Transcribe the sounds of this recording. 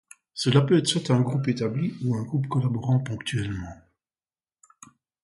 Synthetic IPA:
səlapøɛt̪χswat̪ɛ̃ɡʁupet̪abliuɛ̃ɡʁupkɔlabɔʁɑ̃pɔ̃kt̪yɛlmɑ̃

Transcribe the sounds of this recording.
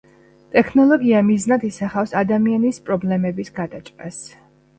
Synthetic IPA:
t̪ʼɛkʰnɔlˠɔɡiamiznad̪isaχafsad̪amianispʼɾɔblɛmɛbisɡad̪at͡ʃʼqʼas

